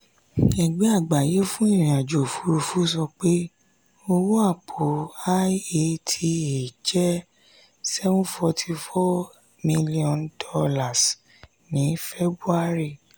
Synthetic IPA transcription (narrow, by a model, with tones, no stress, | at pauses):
ɛ˨ɡ͡bɛ˨˦a˦˨ɡ͡ba˨je˨˦fũ˦ĩ˦˨ĩ˨a˨d͡ʒo˨fu˦ɾu˧fu˦sɔ˧k͡pe˦ | o˧wo˦a˦˨k͡pʰo˨a˦e˧˨tʰi˧e˨d͡ʒɛ˦ | sɛ˦vũ˦fɔ˧tʰi˧fɔ˦ | mĩ˦li˦ɔ̃˨ndɔ˧la˨s | nĩ˨˦fe˦bɾu˦a˦˨ɾi˦˨